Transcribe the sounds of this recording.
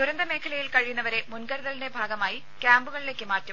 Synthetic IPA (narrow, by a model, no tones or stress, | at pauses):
d̪uɾɐnd̪ɐme̞ːkʰɐlɐjilkɐɻijunːɐʋɐɾe̞munkɐɾuðɐline̞bʱaːɡɐmaːji | kʲjaːmbuɣɐɭile̞ːkːɨmaːrtːum